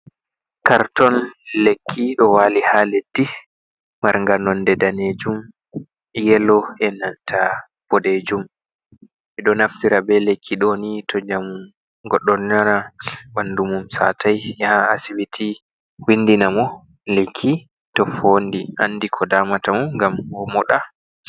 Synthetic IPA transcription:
kaɾtɔnlekʰːiɗɔwaːlihaledːi | maɾŋɡanɔndɛdaned͡ʒum | jɛlɔɛnantʰa | b̥ɔɗed͡ʒum | ɛɗɔnaftiɾabɛlekʰːiɗɔnitʰɔd͡ʒamu | ɡɔɗːɔnnanabandumumsa̰tajjahaa̰siwitʰi | windinamɔ | lekʰːi | tɔfondiʔa̰nːdikʰɔdaːmatamuŋɡamɔmɔɗa

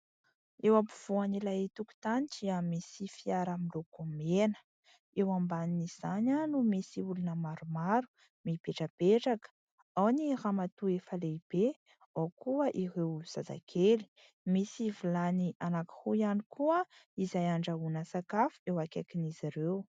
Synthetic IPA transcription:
ewapuv̥uanilajit̪uku̥t̪aniʈ͡ʂiamisifiaɾamilokumenə̥ | ewambaniniz̥aɲənumisiulunəmaɾumaɾu̥ | mibeʈ͡ʂabeʈ͡ʂakə̥ | awniramat̪uefəleb̥e | awkuəʔirewz̥aza̰kʰeli̥ | misivulaniʔanaki̥huijanikʰuəizajaɳɖ͡ʐaunəsakafu̥ewakakiniziɾew

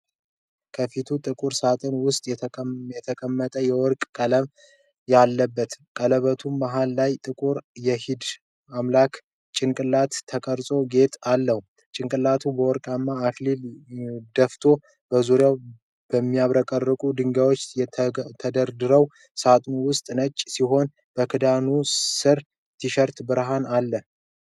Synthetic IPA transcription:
kʰəfit̪ʰut̪ʼɨkʼuɾsat̪ʼʰɨnwʊst̪ʼjɛt̪ʰəkʼəmːət̪ʼəjɛwɔɾkʼkʼələβ | jalːəbːət̪kʼələβət̪ʰumːaɦalːajt̪ʼɨkʼuɾjɛhɪd̪ | amlakʰ | t͡ʃʼɪnkʼɨlat̪ʰːəkʼəɾsʼo̞ɡe̞t̪ʼalːəhu | t͡ʃʼɪŋkʼɨlat̪ʰubəwɔɾkʼamːaːklild̪əft̪ʰo̞ | b̥əzuɾjaw | b̥əmːiaβɾəkʼərːəkʼud̪ɨŋɡawot͡ʃːjɛt̪ʰəd̪əɾd̪ɨɾəw | sat̪ʼnuwʊst̪ʼnət͡ʃʼːsiɦo̞n | b̥əkʰɨd̪anusɨɾ | t̪ʰiʃəɾt̪bɨɾɦanalːə

